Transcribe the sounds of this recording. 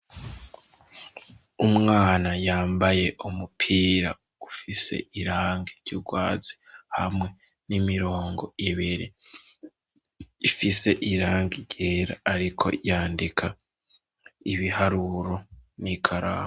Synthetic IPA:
umŋaːnajaːmbaje̞ʔumupʰiːɾa̰ | ufise̞̰ʔiɾaːŋɡiɾɟuɡwaːz̥i̥ | ha̰mŋe̞ | nimiɾo̞ːŋɡo̞iβiɾi | fise̞ʔiɾaːŋɡiɟeːɾa̰ːɾikʰo̞̰jaːndikʰa | iβihaɾuɾo̞nikʰaɾa̰ːm

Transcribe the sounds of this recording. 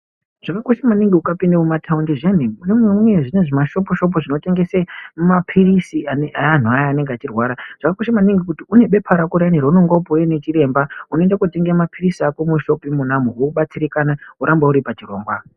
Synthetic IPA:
ʐ̥akako̞ʃamaniŋɡiukapindamumatʰaundiʐeniunemuwemuwe̞ʐine̞ʐimaʃo̞p̬oʃo̞p̬oʐino̞te̞ŋɡe̞semumapʰirisiaaan̤uajaːne̞ŋɡeat͡ʃirwaːɾaʐ̥akakoʃamaniŋɡikutiune̞ɓe̞pʰaɾakoɾaniɾonoŋɡwaupojenet͡ʃire̞ːmbauno̞endakute̞ŋɡeamapʰirisiakomuʃo̞pimunamuwokuɓat͡siɾikanauɾambauɾipat͡ʃiro̞ːŋɡwa

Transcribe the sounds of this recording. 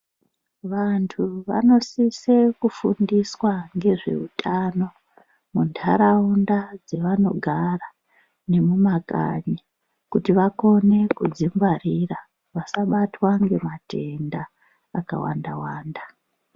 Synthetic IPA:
ʋantʰuʋa̰no̞sisekufundiswaŋɡe̞ʐe̞̰utʰano̞ | mundʰaɾaundad͡zeʋano̞̰ɡʱara | ne̞mumaka̰ɲa | kutiʋako̞ne̞kud͡zimɡwarira | ʋasaɓatwaŋɡe̞mate̞ndaː | ka̰wa̰ndawaːnda

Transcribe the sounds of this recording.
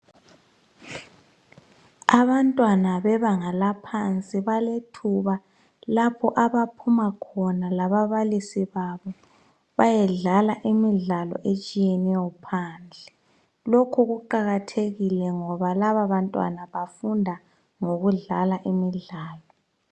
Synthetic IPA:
aβantʼwanaβɛβaŋalapʰant͡sʼiβaletʰuβa | lapʰɔʔaβapʰumakʰɔnalaβaβalisiβaβɔ | βajɛɮalaʔimiɮalɔ̰ʔet͡ʃʼijɛnɛjɔpʰand͡ɮʱɛ | lokʰuɣuǃaɣatʰeɣilɛŋɔβalaβaβantʼwa̰naβafundʱa | ŋoɣuɮalaʔimiɮaːlɔ

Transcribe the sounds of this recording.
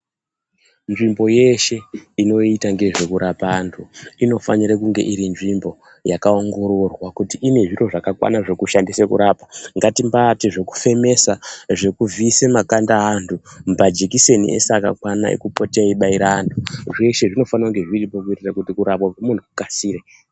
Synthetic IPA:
nʐimbo̞je̞ʃe̞ino̞itaŋɡe̞ʐe̞kuɾapandʰuino̞fa̰niɾekuŋɡe̞̰ʔiɾinʐimbo̞ | jakaoŋɡo̞ɾo̞rwakutiʔːne̞ʐiro̞ʐakakwa̰naʐe̞kuʃandisekuɾapaŋɡatimbatiʐe̞ku̥fe̞me̞saʐe̞kuvisemakandaɦandʰumpad͡ʒekise̞nḭʔḛseaka̰kwana̰ḛkupoteaiɓaiɾaandʰuʐe̞ʃe̞ʐino̞fanaŋɡe̞ʐiripo̞kuitirakutikuɾapwakomuntʰukukasiːɾe

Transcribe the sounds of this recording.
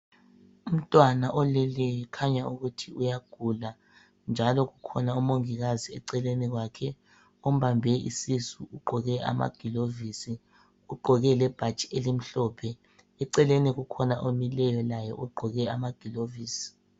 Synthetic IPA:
um̩tʼwanaʔɔlɛlɛjɛkʰaɲauɣutʰiujaɡ̥ʱula | nd͡ʒʱalɔɣukʰɔnaumoŋiɣaziɛǀɛleniɣwakʰɛ | om̩βambʱɛḭsisuuɡ͡ǃʱɔɣɛʔa̰ma̰ɡ̥ʱiloviːsi | uɡ͡ǃʱɔɣɛlɛb̥ʱḁt͡ʃʼi̥elim̩ɬɔːpʰɛ | ɛǀɛleniɣukʰɔnaʔomilɛjɔlajɛʔuɡ͡ǃʱɔɣɛamaɡ̥ʱiloviːsi̥

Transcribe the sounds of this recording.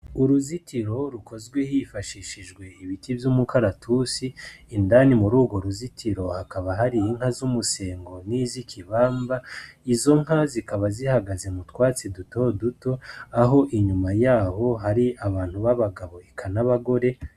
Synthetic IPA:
uɾuzitiɾo̞ɾukʰo̞zɡwe̞hifaʃiʃiʒɡwe̞iβitivjumukʰaɾatʰusiːndanimuɾuːɡwo̞ɾuzitʰiɾo̞hakaβaɦaɾiiŋ̥hazumuse̞ːŋɡo̞nizikʰiβaːmbaizo̞ŋ̥hazikaβazihaɡaze̞mutkwaːt͡sidutoduto̞aɦo̞ʔiɲumajaːho̞ɦaɾiaβaːn̥huβaβaɡaβo̞ekʰanaβaɡo̞ɾe̞

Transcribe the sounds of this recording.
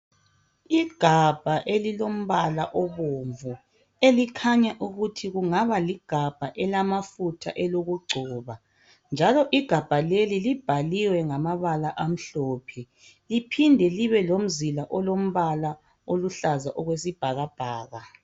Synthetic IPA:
iɡ̥ʱab̥ʱaʔelilom̩βalaʔɔβoɱvu | elikʰaɲaʔuɣutʰiɣuŋaβaliɡ̥ʱab̥ʱaʔɛlamafutʰaʔɛloɣuɡ͡ǀʱuːβa | nd͡ʒʱalɔʔiɡ̥ʱab̥ʱalelilib̥ʱaliwɛŋamaβalaʔam̩ɬɔːpʰɛ | lipʰindʱɛliβɛlom̩zilaʔɔlom̩βala | oluɬazaʔɔɣwesib̥ʱaɣab̥ʱaːɣa

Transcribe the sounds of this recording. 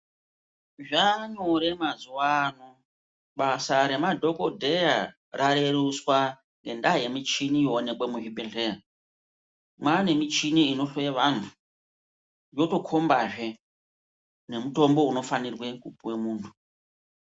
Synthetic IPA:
ʐaɲoɾe̞mazuwano | ɓasaɾe̞madʱo̞ko̞dʱe̞ja | raɾe̞ɾuswa | ŋɡe̞ndaje̞mit͡ʃinijoːne̞kwemuɦibeɬea | mwane̞mit͡ʃiniːno̞ɬeʋan̤u | jo̞to̞kʰo̞mbaʐe̞ | ne̞muto̞mbo̞uno̞fanirwe̞kupuwemuːntʰu̥

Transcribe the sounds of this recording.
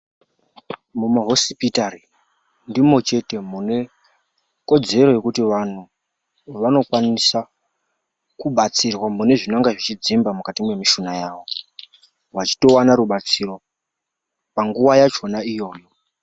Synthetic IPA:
mumaɦo̞spitari | ndimo̞t͡ʃe̞te̞mune̞ | ko̞d͡ze̞ɾo̞je̞kutiʋan̤u | ʋano̞kwanisa | kuɓat͡sirwamune̞ʐinaŋɡaʐit͡ʃid͡zimbamukatimwe̞miʃunajaːʋo̞ | wat͡ʃi̥to̞wanaɾuɓat͡siro̞ | paŋɡuʋajat͡ʃo̞naijo̞ːjo̞

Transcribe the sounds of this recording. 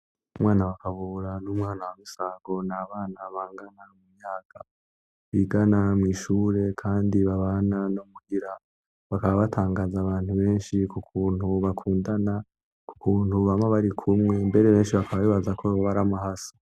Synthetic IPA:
umwaːnawakaβuːɾanumŋaːnawamisaɡo̞naβaːnaβaːŋɡanaumumɲaːɡ̥a | βiɡanamŋiːʃuːɾe̞kʰaːndiβaβananomuɡiɾa | βakaβaβatʰaːŋɡaːzaβaːnhuβe̞ːnʃikukʰuːn̥huβakʰuːndana | ku̥kʰuːn̥huβamaβaɾikʰumŋe̞mbe̞ɾe̞βe̞ːnʃiβakaβaβiːβazakʰoβaɾamaɦasḁ

